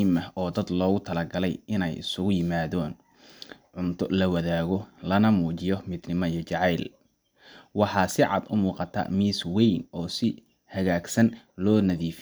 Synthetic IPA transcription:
mɐɔːd̪ɐd̪lɔːɣʊt̪ʰɐlɐɡɐlɛjɪnɛjɪ̰sʊɣʊjɪmaːðɔːn | ʕʊnt̪ʰɔlɐwɐðaːɣɔlɐnɐmuːt͡ʃɪjɔmɪd̪nɪmɔijɔt͡ʃɑʕɑjl | wɑħɑːsɪʕɑ̰d̪ʊmuːqɑt̪ʰɐ̰miːswɛjnɔːsɪ | hɐɣaːɡsɐnlɔːnɐðiːf

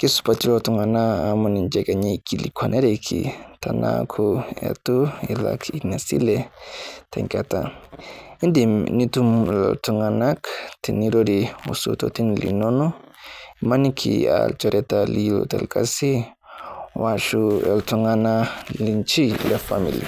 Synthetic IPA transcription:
kisu̥patiɾotuŋanaːmonind͡ʒɛɡaɲekʰilikʰwanʔeɾekʰḭtana̰kʰuɛ̰tuila̰kʰinasḭlɛtʰaŋkata | indimnitumlɛ̰ltuŋanaktiniɾoɾiusṵtotinilḭnonoimanikʰḭalt͡ʃoɾɛtalilo̰tɛ̰lkasi | waʃuɛltuŋanalint͡ʃilefamilḭ

